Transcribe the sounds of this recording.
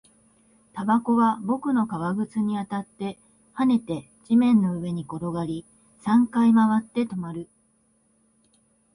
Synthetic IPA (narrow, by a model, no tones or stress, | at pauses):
t̪abako̞βabo̞kɯ̟no̞kaβaɡɯ̟t͡sɨɲ̟iat̪at̪ːe̞ | hane̞t̪e̞ | d͡ʑimẽ̞nːo̞ɯ̟βe̞ɲ̟iko̞ɾo̞ɡaɾʲi | sãŋkaimaβat̪ːe̞t̪o̞maɾɯ̟